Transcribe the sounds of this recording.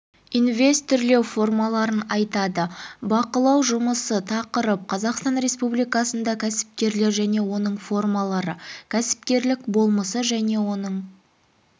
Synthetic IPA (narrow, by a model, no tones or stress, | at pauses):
inve̞st̪ʰʏɾle̞wfo̞rmɑlˠɑɾənɑjt̪ɑd̪əbɑqəlˠɑwʒʊməsət̪ʰɑqəɾəp̚qʰɑzɑqst̪ɑnɾe̞spublijkɑsənd̪ɑkʲʰæsɪ̥p̚kʲe̞ɾle̞ɾʒæne̞wo̞nəɴfo̞rmɑlˠɑɾəkʲʰæsɪ̥p̚kʲe̞ɾlɪkbo̞lˠməsəʒæne̞wo̞nəɴ